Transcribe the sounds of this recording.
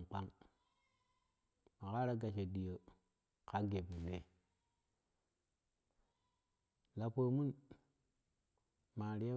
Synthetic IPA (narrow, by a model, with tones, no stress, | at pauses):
k͡pa˦ŋ | ma˨ka˦ɾa˦ɡa˨ʃe˨ɗi˨jo˨ | ka˦ɡe˨pu˨ɗe˦ | la˨po˨mu˦n | ma˨ɾi˨˦a˦